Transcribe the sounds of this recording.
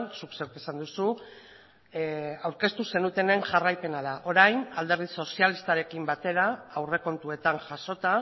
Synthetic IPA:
nsuksewkesand̪usu | awɾke̞st̪use̞nut̪e̞ne̞ŋʝarajpe̞naðaʔo̞ɾajnald̪e̞ɾð̞iso̞sialist̪aɾe̞kimbat̪e̞ɾaːwre̞ko̞nt̪ue̞t̪aŋʝaso̞t̪a

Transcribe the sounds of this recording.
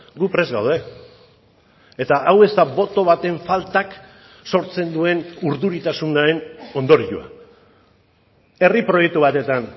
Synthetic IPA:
ɡupɾe̞zɣawð̞e̞ | et̪aʔawe̞zt̪aβo̞t̪o̞βat̪e̞ɱfalt̪ak | so̞ɾt͡se̞nd̪ue̞nuɾðuɾit̪asunaɾe̞no̞nd̪o̞ɾiʎṵa̰ | e̞ripɾo̞jek̚t̪uβat̪e̞t̪an

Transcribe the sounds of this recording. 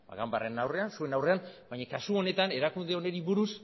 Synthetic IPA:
ba̰ɣamba̰renawre̞ansue̞nawre̞anbajɲakasuo̞ne̞t̪ane̞ɾakund̪eo̞ne̞ɾiβuɾus

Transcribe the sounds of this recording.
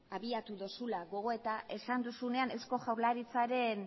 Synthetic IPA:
aβiat̪uðosulaɣo̞ɣ̞o̞e̞t̪aʔe̞sand̪usune̞ane̞sko̞ʝawɾlaɾit͡saɾe̞n

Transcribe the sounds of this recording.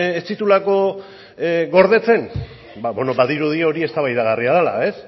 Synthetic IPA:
est͡s̪it̪ulako̞ | ɡo̞ɾðe̞t͡se̞n | babe̞no̞baðiɾuð̞io̞ɾie̞st̪aβajðaɣ̞ariað̞ela̰e̞s

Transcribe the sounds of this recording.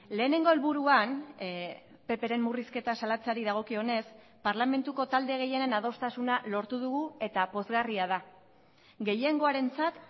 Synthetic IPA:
le̞ːne̞ŋɡo̞elβuɾuan | pe̞pe̞ɾe̞mːuriske̞t̪asalat͡saɾiðaɣ̞o̞kio̞ne̞s | paɾlame̞nt̪uko̞t̪ald̪e̞ɣ̞e̞jenenað̞o̞st̪asunalo̞ɾt̪uðuɣue̞t̪apo̞zɣariaða | ɡe̞je̞ŋɡo̞aɾe̞nt͡sat̪

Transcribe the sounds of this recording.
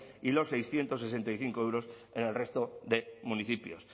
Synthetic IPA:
ilo̞sːejsθje̞nt̪o̞sese̞nt̪ajθiŋkoewɾo̞sene̞lre̞st̪oðe̞muniθipjo̰s

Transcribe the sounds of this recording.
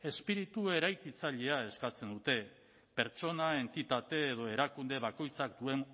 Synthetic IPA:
e̞spiɾit̪ue̞ɾajkit͡saʎe̞ae̞skat͡se̞nd̪ut̪e̞ | pe̞ɾt͡ʃo̞nae̞nt̪it̪at̪e̞ːðo̞e̞ɾakund̪e̞βako̞jt͡sak̚d̪ue̞ŋ

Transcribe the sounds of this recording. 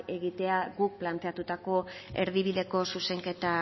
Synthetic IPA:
e̞ɣit̪e̞aɣuk̚plant̪e̞at̪ut̪ako̞e̞ɾðiβiðe̞ko̞suse̞ŋke̞t̪a

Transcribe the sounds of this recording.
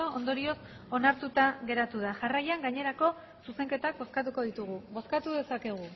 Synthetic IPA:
oond̪o̞ɾio̞s | o̞naɾt̪ut̪aɣe̞ɾat̪uð̞aʝarajaŋɡaɲe̞ɾako̞ | suse̞ŋke̞t̪ak̚bo̞skat̪uko̞ðit̪uɣ̞uβo̞skat̪uðe̞sake̞ɣ̞u

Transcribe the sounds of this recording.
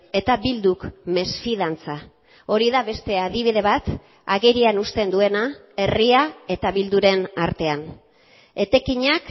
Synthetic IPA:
e̞t̪abild̪ukme̞sfið̞ant͡sa | o̞ɾiðaβe̞st̪e̞að̞iβ̞iðe̞βat̪ | aɣeɾianust̪e̞nd̪ue̞na | e̞riae̞t̪aβild̪uɾe̞naɾt̪e̞an | e̞t̪e̞kiɲak

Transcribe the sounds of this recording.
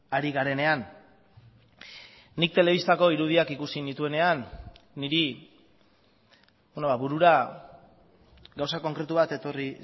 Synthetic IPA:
aɾiɣaɾe̞ne̞an | ik̚t̪e̞le̞β̞ist̪ako̞iɾuðiakikusinit̪ue̞ne̞anːiɾi | benoβaβuɾuɾa | ɡawsako̞ŋkɾe̞t̪uβat̪et̪o̞ri

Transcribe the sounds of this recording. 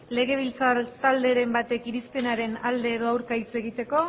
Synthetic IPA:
le̞ɣe̞β̞ilt͡sat̪ald̪e̞ɾe̞mbat̪e̞kiɾispe̞naɾe̞nald̪e̞ːðo̞awɾkajt͡se̞ɣ̞it̪e̞ko̞

